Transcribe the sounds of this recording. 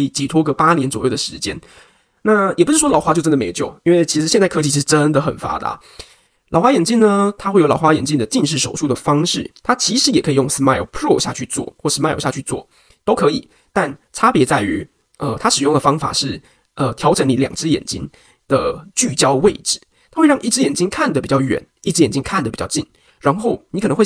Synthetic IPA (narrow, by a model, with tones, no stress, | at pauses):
i˨˩t͡ɕi˧˥˩t̪ʰwɔ˥kə˧˥pa˥njɛ˦nt͡swɔ˨˩jo˥˩d̪ə˩ʂɻ̩˧˥t͡ɕjɛ˥n | na˥˩jɛ˨˩pu˧˥ʂɻ̩˥˩ʂwɔ˥lɑ˨˩ʊxa˥t͡ɕo˥˧ʊʈ͡ʂə˥nd̪t͡ɕjo˥˩ʊi˥nwe˥˩ɪt͡ɕʰi˧˥ʂɻ̩˧˥ɕɛ˥˧nt͡sa˥˩ɪɤ˥t͡ɕi˧t͡ɕʰi˧˥ʂ̩˧ʈ͡ʂə˦˥nd̪ə˨˩xə̰˨˩nfa̰˥d̪ə̰˨˩ | lɑ˨ʊxwa˥jɛ˨˩nt͡ɕi˥˩nnə˩t̪ʰa˥we˥˩ɪjo˧˥ɑ˨˩ʊxwa˥jɛ˨˩nt͡ɕi˥˩d̪ə˩t͡ɕi˥˧ʂ̬ɻ̩˥˩ʂo˨ʊʂu˥˩d̪ə˩fɑ˥ŋʂɻ̩˥˩t̪ʰa˥t͡ɕʰi˧˥ʂɻ̩˧˥jɛ˨˩kʰɤ˧˥i˨˩jo˥˩ŋs̩˥ma˥ɪo̰˨˧ʊpʰɹɔ˥˩ɕja̰˥˧t͡ɕʰy˥˧t͡swɔ̰˥˩xwɔ˥˩s̩˥ma˥ɪo̰˨˧˩ɕja˥˧t͡ɕʰy˥˧t͡swɔ̰˥˩ | t̪o˥ʊkʰɤ˧˥i˨˩˦ | t̪a˥˩nʈ͡ʂʰa˥pjɛ˧˥t͡sa˥˩ɪy˧˥ | ə˧t̪ʰa˥ʂɻ̩˨˩jʊ˥˩ŋdə˩fɑ˥ŋfa̰˨˩ʂɻ̩˥˩ | ə˧˩t̪ʰjɑ˧˥ʊʈ͡ʂʰə˧˥ŋni˧˥ljɑ˨˩ŋt͡sɻ̩˥jɛ̰˨˩nt͡ɕḭ˥n | d̪̥ə˨˩t͡ɕy˥˩t͡ɕjɑ˥ʊwe˥˩ɪʈ͡ʂɻ̩˥˩˦ | t̪ʰa˥xwe˥˧ɪ˥˧ŋʔi˥˩ʈ͡ʂ̩˥jɛ˨˩nt͡ɕi˥ŋkʰa˥˩nd̪ə˩pi˨˩t͡ɕɑ˥˩ʊɥɛ̰˨˩˦ni˥˩ʈ͡ʂ̩˥jɛ˨˩nt͡ɕi˥ŋkʰa˥˩nd̪ə˩pi˨˩t͡ɕɑ˥˧ʊt͡ɕi˥˩ŋ | ɻa˧˥nxo˥˩ʊni˧˥kn˧˦˥xw